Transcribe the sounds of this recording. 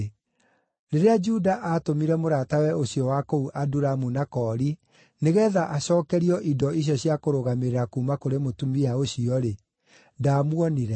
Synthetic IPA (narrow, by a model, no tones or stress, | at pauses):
ɾeɾead͡ʒudaʔatomiɾɛmoɾaːtawɛoɕiɔwakouʔaduɾamunakɔːɾi | neɣɛðaʔaɕɔːkɛɾiɔʔidɔiɕ̬jɔɕiakoɾoɣameɾeɾakuːmakoɾemotumiaoɕiɔɾe | ndaːmwɔniɾɛ